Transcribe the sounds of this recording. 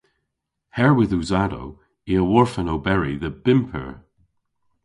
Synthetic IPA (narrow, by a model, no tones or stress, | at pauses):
hɛɹwɪðuzado̰w | iəwɔɹfənowbɛɹiðəb̥ɪmpʰə̰ɹ